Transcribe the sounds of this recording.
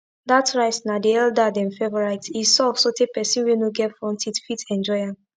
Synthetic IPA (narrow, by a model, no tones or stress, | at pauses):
datʰɹaɪsnadiɛldadɛ̃nfɛvɔɹaɪtisɔfsotepɛsĩnwenoɡɛtfɹɔ̃ntʰidfitɛ̃nd͡ʒɔɪã